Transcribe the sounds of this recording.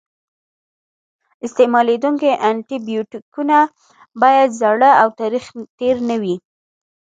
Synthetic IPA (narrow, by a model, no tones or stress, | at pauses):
ɪst̪emɑled̪uŋkeʔaɳʈibijuʈikuna | bɑjad̪zaɽəawt̪ɑɾixt̪eɾnəwi